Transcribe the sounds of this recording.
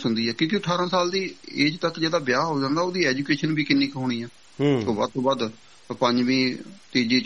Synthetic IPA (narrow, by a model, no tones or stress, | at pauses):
sʊnd̪iːɛːkjõːkiət̪ʰːaːɾãːsaːld̪iːeːd͡ʒt̪əkd͡ʒeːd̪aːbjaːɦoːd͡ʒãːnd̪aːoːd̪iːɛːd͡ʒuːkeːʃənbiːkɪnːiːkɦoːɽ̃iːɛː | soːba̰d̪̚t̪oːbəd̪ | pəɲd͡ʒʋĩːt̪eːd͡ʒiːt͡ʃ